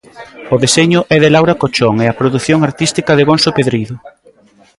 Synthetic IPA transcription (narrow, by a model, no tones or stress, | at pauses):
oðeseɲʊʔɛðelawɾakot͡ʃoŋeɐpɾoðuθjoŋaɾt̪ist̪ikɐðɪɣonsopeðɾiðʊ